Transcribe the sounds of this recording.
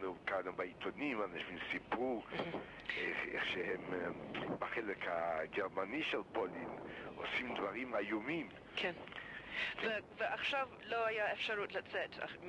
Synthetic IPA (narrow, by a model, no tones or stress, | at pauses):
nukadubait̪ʰɔnimanaʃvimsipʁu | ɛɛ̰χʃɛhɛm | baχɛlɛkʰaɡɛʁmaniʃɛlpʰɔlino̰simdvaʁimajumim | kʰɛn | veveʔaχʃavloajaefʃaɾutlat͡sɛta̰